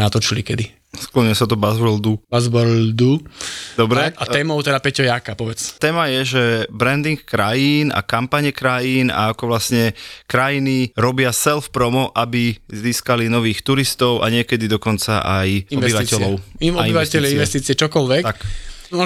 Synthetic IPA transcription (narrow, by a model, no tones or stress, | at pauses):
nat̪ɔt͡ʃilikɛd̪i | sklɔɲɛsat̪ɔbazbɔld̪ubazbɔld̪ud̪ɔbɾɛat̪ɛːmɔʊt̪ɛd̪apɛcɔjakapɔbɛt͡st̪ɛːmajɛʒɛbɾɛnd̪iŋkkɾajiːna̰kampaɲɛkɾajiːna̰akɔʋlasɲɛkɾajiniɾɔbɪasɛlfpɾɔmɔʔabiziːskalinɔʋiːxt̪uɾist̪ɔʊʔa̰ɲɪɛkɛd̪id̪ɔkɔnt͡saʔajɔɛbiʋacɛʎɔʊɔaiiʋacɛʎinʋɛst̪iːt͡siɛt͡ʃɔkɔlʋɛkt̪ak